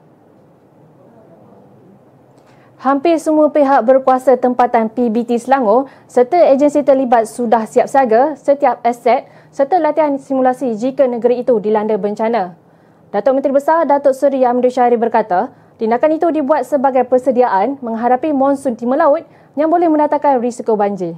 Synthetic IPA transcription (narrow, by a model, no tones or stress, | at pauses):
hampɪrsəmũəpeɦak̚bərkuasat̪əmpat̪anpibit̪islaŋo | sərt̪əed͡ʒənsit̪ərlibat̪̚sudahsiap̚saɡasət̪iap̚ɛsɛt̪̚ | sərt̪əlat̪iansimulasid͡ʒikənəɡəɾiːt̪udilandəbəɲt͡ʃanã | dat̪ɔʔmə̃nt̪ɾibəsardat̪ɔsəɾiamədɾiʃaɾibərkat̪a | t̪indakanit̪udibuat̪̚səbaɡajpərsədiaʔanmə̃ŋɦadapimɔ̃nsʊnt̪iməlaʊt̪̚ | jaŋbolɛhmə̃ndat̪aŋkanrisikobaɲd͡ʒi